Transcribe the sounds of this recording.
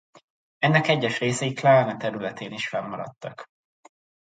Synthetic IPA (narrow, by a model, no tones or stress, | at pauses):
ɛnːɛkɛɟːɛʃreːsɛjiklaːnɛt̪ɛɾylɛt̪eːniʃfɛmːɒɾɒ̰t̪ːɒk